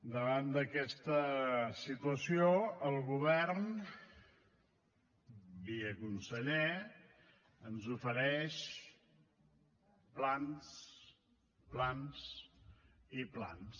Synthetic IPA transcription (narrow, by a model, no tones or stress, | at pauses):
d̪əβand̪əkɛst̪əsit̪uəsioəlˠɣuβɛrn | biəkunsəʎe | ənzufəɾɛʃ | plans | plans | ipla̰ns